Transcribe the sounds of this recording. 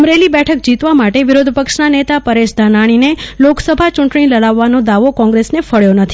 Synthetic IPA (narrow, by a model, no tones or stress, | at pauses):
əmɾelibɛʈʰək̚d͡ʒit̪ʋamaʈeʋɪɾod̪ʱpəkʃnanet̪apəɾeʃd̪ʱanaɽ̃ineloksəbʱat͡ʃũɳʈɳ̃iləɽaʋːanod̪aʋokɔ̃ŋɡɾesnefəɭjonət̪ʰi